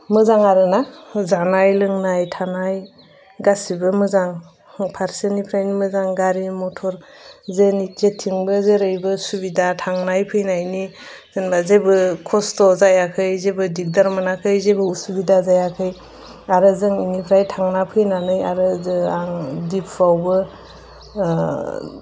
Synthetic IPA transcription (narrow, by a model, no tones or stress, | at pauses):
mɯzaŋaɾɯnazanajlɯŋnajtʰanaj | ɡasibɯmɯzaŋ | pʰaɾsenipʰɾajnimɯzaŋɡaɾimɔtʰɔɾzenitetʰːiŋbɯzeɾɯjbɯsubidatʰaŋnajpʰɯjnajniz̥enbazebɯkʰɔstʰɔzajakʰɯjzebɯdik̚daɾmɯnakʰɯjzebɯusubidazajakʰɯj | aɾɯzɯŋinipʰɾajtʰaŋnapʰɯjnanɯjaɾɯzɯaŋdipʰɾawbɯ